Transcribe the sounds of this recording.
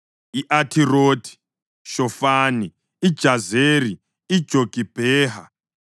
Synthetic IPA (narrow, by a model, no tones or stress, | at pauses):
iʔatʰiroːtʰi̥ | ʃɔfaːni | i̥ʒ̥ʱazeri | i̥d͡ʒ̥ʱoɡ̥ʱib̥ʱeːɦa̰